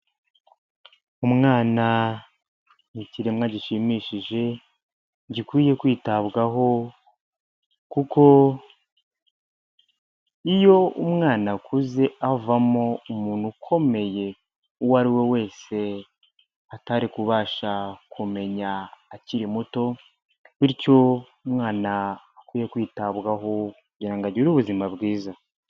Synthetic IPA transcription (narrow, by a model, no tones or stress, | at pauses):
umŋaːna | niciɾemŋaɟiʃimiʃiʒe̞ | ɟikwiːje̞kwiːtaβɡaɦo̞ | kuko̞ | ijo̞umŋaːnakʰuze̞avamo̞umuːnhukʰo̞me̞je̞ | uwaɾiwe̞we̞ːse̞ | ataɾikuβaːʃakʰume̞ɲaːciɾimuto̞ | βiɾco̞ | umŋaːnaː | kwiːje̞kwiːtaβɡaɦo̞kkuɟiɾaŋɡaɟiɾuβuzimabɡiːza